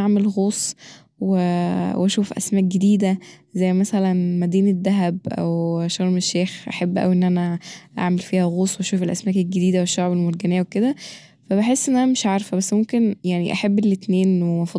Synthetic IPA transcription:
aʕmelɣoːsˤ | wewʔæʃuːfʔæ̰smæːk̚ɡed̪iːd̪æzæjːmæsælænmæd̪iːned̪ːæɦæbʔæ̰wʃɑɾˤmeʃːeːxʔaħabːʔæ̰wiʔenːʔænæʔa̰ʕmelfiːhæɣoːsˤweʔæʃuːfelʔæ̰smæːkelɡed̪iːd̪æweʃːoʕbelmoɾˤɡænejːæweked̪æ | fæbeħesːʔenːʔænæmeʃʕɑɾˤfæbæsːmomkenjaʕniʔæħabːelːet̪neːnwemɑfɑ

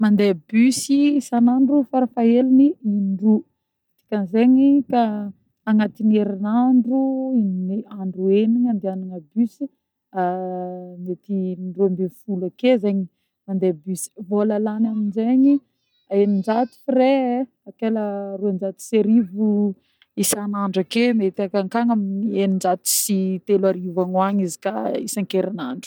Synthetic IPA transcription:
mand̪ebysisanaɳɖ͡ʐufaɾafaɦeliniinɳɖ͡ʐu | t̪i̥kʲanzeɲika | aŋat̪ineɾinaɳɖ͡ʐuiminiaɳɖ͡ʐueniɲand̪eanaŋəbysi | a | net̪imiɳɖ͡ʐuambefulakezeɲi | mand̪ebysi̥volalanaminzeɲi | aenind͡ʒat̪u̥fiɾe | akelaruand͡ʒat̪i̥seɾivu | isanaɳɖ͡ʐakemet̪iakaŋkaŋaminienind͡ʒat̪i̥sit̪elaɾivaŋwaɲizi̥ka̰isaŋkeɾinaɳɖ͡ʐu̥

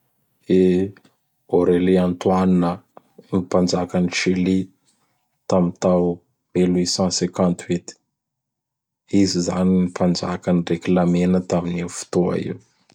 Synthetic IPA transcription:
e | oɾeliant̪uaninə | nipand͡ʒakəniʃili | t̪amint̪aw | eluisãsekãnt̪ʰwit̪i̥ | izizaninipand͡ʒa̰kənireklamenət̪aminifu̥t̪oa̰ḭw

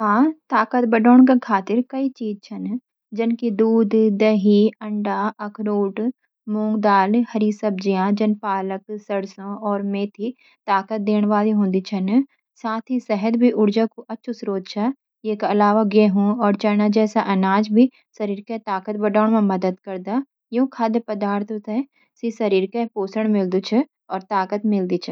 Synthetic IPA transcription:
ɦãːt̪aːkət̪bɐɖoːɳ̃kekʰaːt̪ɪɾkɐit͡ʃiːd͡ʒt͡ʃʰɐn | d͡ʒɪnkid̪uːd̪ːɐɦiɐɳɖaːɐkʰɾoːʈ | mũːŋɡd̪aːlhɐɾiːsɐbd͡ʒijãːd͡ʒɐnpaːləksɐɽsõɔːɾmẽːt̪ʰi | t̪aːkət̪̚d̪eːnʋaːziɦõːnd̪it͡ʃʰɐn | saːt̪ʰisɛɦəd̪bʱiʔʊɽd͡ʒakuʔɐːʃʰusɾoːd̪t͡ʃʰa | jeːkɐlaːʋaɡeːɦũɔːɾt͡ʃɐnad͡ʒɛːsaʔɐnaːd͡ʒbʱi | sɐɾiːɾket̪aːkət̪bɐɖaːɳmãmɐd̪əd̪kɐɾd̪a | jõːkʰaːd̪pɐd̪aːɾt̪ʰət̪ɛ | sisɐɾiːɾkepoːsəɽ̃mɪld̪ut͡ʃʰə | ɔːɾt̪aːkət̪mɪld̪it͡ʃʰə

